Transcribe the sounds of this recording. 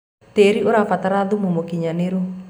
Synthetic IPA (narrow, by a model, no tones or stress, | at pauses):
t̪eɾiuɾafat̪aɾad̪umumokiɲaneɾu